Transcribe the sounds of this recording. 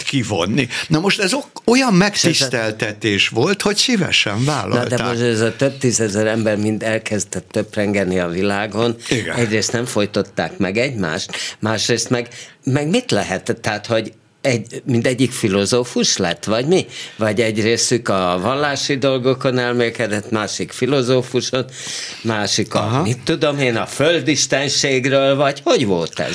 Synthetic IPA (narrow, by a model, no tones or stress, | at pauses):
kivo̞̰nːinɒmoʃt̪ɛzoojɒmːɛkt̪ist̪ɛlt̪ɛt̪eːʃvolt̪ho̞csivɛ̰ʃɛɱvaːlːɒnɒltd̪ɛmoʃɛzɒt̪øb̚t̪iːzɛzɛɾɛmbɛrmind̪ɛlkɛzd̪ɛt̪ːøprɛŋɡɛniɒvilaːɡo̞niɡ̰ɛɟreːst̪nɛɱfo̞jt̪o̞t̪ːa̰ːkmɛɡɛɟma̰ːʃt̪maːʃreːst̪mɛɡmɛɡmit̪lɛɦɛt̪t̪ːɛaːt̪ho̞ɟ | ɛɟmind̪ɛɟːikfilo̞zoːfuʃlɛt̪ːʋɒɟmivɒɟɛɟreːsykɒvɒlːaːʃid̪o̞lɡo̞ko̞nɛlmeːlkɛd̪ɛt̪maːʃikfilo̞zoːfuʃonmaːʃikɒ̰mit̪ːud̪o̞meːnɒføld̪iʃt̪ɛnʃeːɡrøːlvɒɟho̞ɟvo̞lt̪ɛ̰z